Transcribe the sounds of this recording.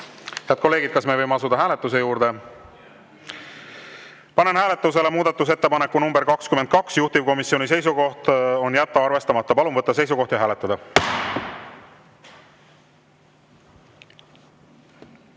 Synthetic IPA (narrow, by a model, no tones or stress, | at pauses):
heɑd̪ko̞lːe̞ːɡid̪̥̚kɑsme̞vɤjmeɑsud̪ɑɦæːle̞t̪ːˑus̬e̞juːɾd̪̥e̞ | pɑne̞nhæːle̞t̪ːˑus̬e̞le̞muːd̪ɑt̪ːˑus̬e̞t̪ːepɑnekːunumberɾkɑkskyment̪̚kɑksjuht̪ivko̞misjo̞nʲis̬e̞js̬uɡo̞ht̪o̞njæt̪ːɑɑrve̞st̪ɑmɑt̪ːɑpɑlunvɤt̪ːɑs̬e̞jsuko̞ht̪jɑɦæːlet̪ːɑd̪ɑ